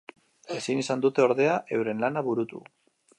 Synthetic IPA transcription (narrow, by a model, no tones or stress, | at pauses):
e̞sinisand̪ut̪e̞o̞ɾð̞e̞aʔe̞wɾe̞nlanaβuɾut̪ṵ